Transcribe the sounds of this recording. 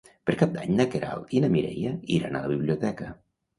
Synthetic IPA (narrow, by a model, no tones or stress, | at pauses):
pəɾkap̚d̪aɲnəkeɾa̰lˠinəmiɾɛ̰jəiɾanaləβiβliut̪ɛkə